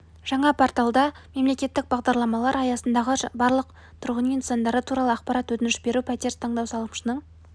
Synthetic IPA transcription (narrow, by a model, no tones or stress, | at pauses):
ʒ̥ɑɴɑpʰoɾt̪ɑlˠd̪ɑ | me̞mle̞kʲe̞t̪ːɪk̚bɑʁd̪ɑɾlˠɑmɑlˠɑɾɑjɑsənd̪ɑʁəbɑɾlˠəq̚ | t̪ʰʊɾʁənmʲint̪sɑnd̪ɑɾət̪ʰuɾɑlˠəɑqpɑɾɑt̪wɵt̪ɪnɪʃbe̞ɾupʰæt̪e̞ɾt̪ʰɑɴd̪ɑwsɑlˠəmʃənəɴ